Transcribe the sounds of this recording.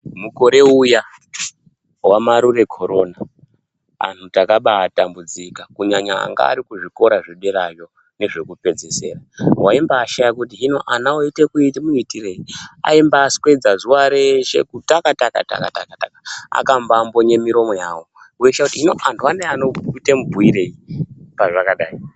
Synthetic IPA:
muko̞ɾe̞uja | wamaɾure̞kʰo̞ɾo̞na | a̰n̤utakaɓaːtambud͡zikakuɲaɲaa̰ŋɡa̰ːɾikuʐiko̞ɾaʐeɗeɾajo̞ | ne̞ʐe̞kupe̞d͡zese̞̰ːrawaimbaːʃajakutiɦino̞ʔanaoite̞kuitimuitire̞ia̰imbaːskwe̞d͡zazuwaɾeʃe̞̰kutakataka̰ta̰katakatakaa̰kambambo̞ɲe̞miɾo̞mo̞jaːwo̞ | ueʃakutiinoʔantʰuaneanoitemubʱuiɾe̞ipaʐakaɗaːi

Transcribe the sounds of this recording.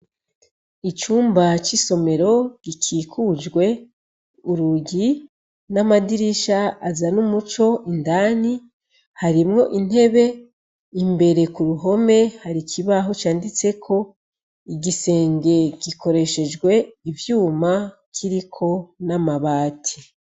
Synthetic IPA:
it͡ʃuːmbat͡ʃiso̞me̞ɾo̞ɡ̥ikʰiːkʰud͡ʒɡwe̞ | uɾuɟi | namadiɾiʃaːzanumut͡ʃo̞ʔindaːni | haɾimŋo̞ʔin̥he̞βe̞ | imbe̞ɾe̞kuɾuɦo̞me̞haɾikʰiβaɦo̞t͡ʃaːndit͡se̞kʰo̞ | iɡise̞ːŋɡe̞ɡiko̞ɾe̞ʃe̞d͡ʒɡwe̞ivjuːma | kʰiɾikʰo̞namaβaːtʰi̥

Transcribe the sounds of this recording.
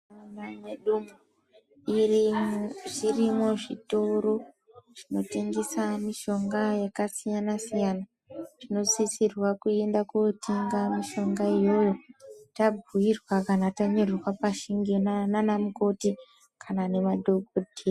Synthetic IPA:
onaɲeɗumu | i | ʐirimo̞ʐito̞ɾo̞ | ʐ̥ino̞te̞ŋɡesamiʃo̞ŋɡajakasijanasijana | ʐ̥ino̞sisirwakue̞ndakotʰiŋɡamiʃo̞ŋɡajojotabʱujirwakanataɲorrwapaʃiŋɡinananamuko̞ti | kʰanane̞madʱoɡodʱe

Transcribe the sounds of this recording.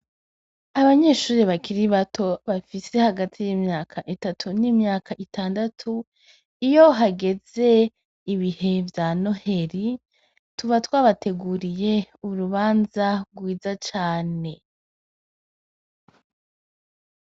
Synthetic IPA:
aβaɲe̞ːʃuːɾiβakiɾiβatʰo̞βafise̞haɡatʰijimɲaːkʰaʔitatʰunimɲaːkʰaʔitʰaːndatʰu | ijo̞ɦaɡe̞ze̞ | iβihe̞vjano̞he̞ɾi | tuvatwaβatʰe̞ɡuɾije̞uɾuβaːnzaɡwiːzat͡ʃaːne̞

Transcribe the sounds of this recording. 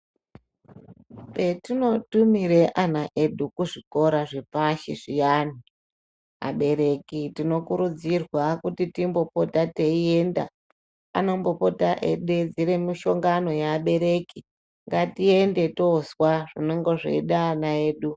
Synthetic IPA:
pe̞tino̞tumiɾeʔanaʔe̞ɗukuʐiko̞ɾaʐepaʃḭʐijan̤i | a̰ɓe̞ɾe̞kitino̞kuɾud͡zirwakutitimbo̞potateie̞nda̰ | a̰nombo̞po̞taʔe̞̰ɗed͡ziɾemiʃo̞ŋɡano̞jaːɓe̞ɾe̞ki | ŋɡatie̞nde̞tozwaʐineŋɡoʐḛiɗaːnaeːɗu

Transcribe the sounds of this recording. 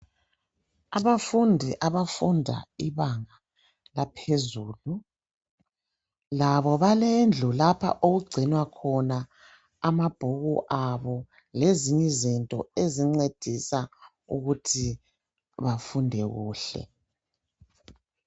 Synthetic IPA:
aβafundʱiʔaβafundʱa̰iβaŋa | lapʰezuːlu | laβɔβalend͡ɮʱulapʰa̰ʔoɣuɡ͡ǀʱinwakʰɔnaː | mab̥ʱuɣuʔaβɔ | leziɲɛzintʼɔ̰eziŋ͡ǀed̥ʱisa | ṵɣutʰi | βafundʱɛɣuːɬɛ̰

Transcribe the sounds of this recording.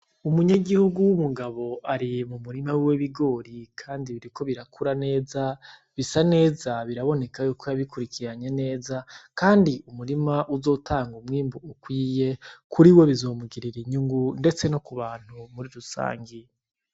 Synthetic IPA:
umuɲaɡihuɡuwumuɡaβo̞ʔaɾimumuɾimawiweβiɡo̞ːɾikʰaːndiβiɾikʰo̞βiɾakʰuɾane̞ːza | βisane̞ːzaβiɾaβo̞ne̞kajuːkʰojaβikuɾikiɾaɲe̞ne̞ːzakaːndiumuɾimaʔuzo̞ːtʰaːŋɡumŋiːmbuukwiːje̞kʰuɾiwe̞βizo̞ːmuɡiɾiɾiɲuŋɡunde̞t͡se̞no̞kuβaːn̥humuɾiɾusa̰ːŋɡi

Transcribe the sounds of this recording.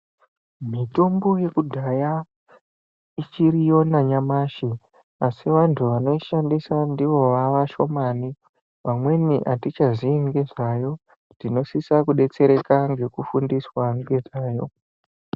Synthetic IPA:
mito̞mbo̞je̞kudʱaja | it͡ʃiɾijo̞naɲamaːʃi | asiʋantʰuʋano̞iʃandisandiʋo̞ʋaʋaʃo̞mani | ʋamwe̞niʔatit͡ʃazieŋɡe̞ʐaːjo̞ | ndino̞sisakuɗe̞t͡se̞ɾe̞kaŋɡe̞kufundiswaŋɡed͡zaːjo̞

